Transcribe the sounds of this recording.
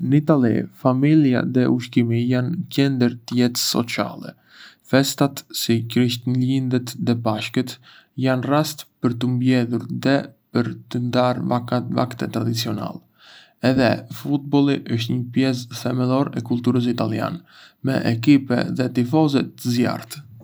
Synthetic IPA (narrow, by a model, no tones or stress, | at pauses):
nəit̪alḭfamilja̰ðɛuʃkimijancɛnd̪əɾt̪jɛt̪sɔ̰t͡sa̰lɛ̰ | fɛst̪at̪sikɾiʃt̪ənlind̪ɛt̪ðɛbaʃkət̪ | janrast̪pəɾt̪əmbjɛðuɾðɛpəɾt̪ənd̪aɾva̰kt̪ɛ̰t̪ːɾad̪it͡siɔna̰lˠɛ | ɛðɛfut̪̚bɔlˠiʔəʃt̪ɲəpjɛs̬θɛmɛlɔɾɛkult̪uɾəs̬it̪alˠja̰n | mɛ̰ʔɛk̬ipɛ̰ðɛt̪ifɔzɛt̪ːəzja̰ɾt̪